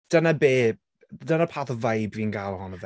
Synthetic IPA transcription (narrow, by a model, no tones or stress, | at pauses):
d̥ənabeː | dənapʰaːθɔvajbviːnɡaːlˠɔhɔnəv